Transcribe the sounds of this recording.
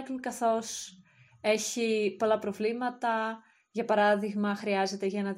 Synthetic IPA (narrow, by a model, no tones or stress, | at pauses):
klkɐθo̞s | e̞çipo̞lɐpɾo̞vlimɐt̪ɐ | ʝɐpɐɾɐðiɣmɐxɾiɐze̞t̪e̞ʝɐnɐ